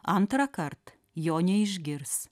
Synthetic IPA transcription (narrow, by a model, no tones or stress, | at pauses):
ɐnt̪ɾɐkɐɾt̪ | joːnʲɛɪʒʲɡʲɪɾs